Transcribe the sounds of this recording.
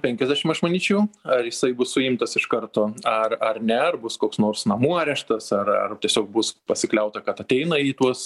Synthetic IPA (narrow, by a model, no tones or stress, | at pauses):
pʲɛŋʲkʲɛzʲd̪ʲæːʃʲɪmɐʃmɐnʲiːt͡ʃʲɛʊɐrjɪsɐɪbʊssʊɪmt̪ɐsɪʃkɐrt̪oːɐrɐrnʲɛɐrbʊskoːksnoːrsnɐmuːɑːɾʲɛʃt̪ɐsɐrɐ̰rt̪ʲiɛsʲoːk̚bʊspɐsʲɪklʲɛʊt̪ɐkɐt̪ɐt̪ʲɛɪnɐiːt̪uɔs